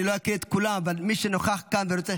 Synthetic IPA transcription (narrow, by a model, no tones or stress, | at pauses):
nloakiet̪kulamavalmiʃenoχaχkanveɾot͡se